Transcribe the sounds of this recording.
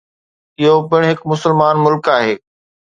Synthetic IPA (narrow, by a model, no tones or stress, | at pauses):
ɪɦopɪɽ̃ɦɪkmʊsəlmaːnmʊlkaːɦeː